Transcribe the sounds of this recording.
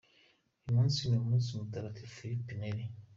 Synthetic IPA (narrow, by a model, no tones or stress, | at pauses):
imũnsiɲeumusimutaɾatʰifiɾipineɾi